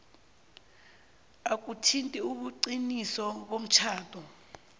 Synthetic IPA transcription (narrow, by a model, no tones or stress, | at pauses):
ak̬ʼutʰintʼiuɓuǀinisɔɓom̩t͡ʃʰaːtʰʼɔ